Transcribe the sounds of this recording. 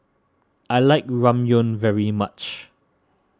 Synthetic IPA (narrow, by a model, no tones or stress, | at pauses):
ʔajlaɪk̚ɹãmjõnvɛɹimat͡ʃ